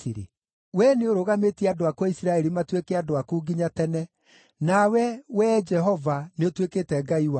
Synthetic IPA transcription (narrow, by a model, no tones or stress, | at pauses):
iɾḛ | wɛneoɾoɣametiɛadoakwaisiɾaɛɾimatwekɛadoakuːɡiɲatɛnɛ | nawɛwɛd͡ʒɛɦɔvaneotwekeːtɛɡaiwa